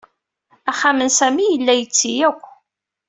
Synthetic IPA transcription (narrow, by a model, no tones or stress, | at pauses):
æχːamənsæmijəlːæjət͡sːijækʷː